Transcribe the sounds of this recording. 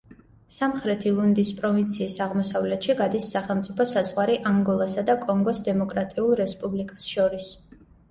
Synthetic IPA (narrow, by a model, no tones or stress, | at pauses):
samχɾɛt̪ʰilˠund̪ispʼɾɔvint̪sʰiːsaʁmɔsavlɛt̪ʃiɡad̪isːaχɛlˠmt̪sʼipʰɔsazʁwaɾiʔaŋɡɔlˠasad̪akʼɔŋɡɔsd̪ɛmɔkʼɾat̪ʼiulˠɾɛspʼublikʼḁsʃɔɾis